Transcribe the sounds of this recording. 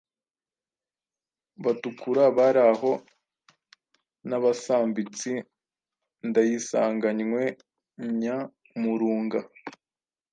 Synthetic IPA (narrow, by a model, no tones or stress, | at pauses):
βatukuɾaβaɾaɦo̞ | naβasaːmbit͡si | ndajisaːŋɡaɲŋwe̞ | ɲa | muɾuːŋɡa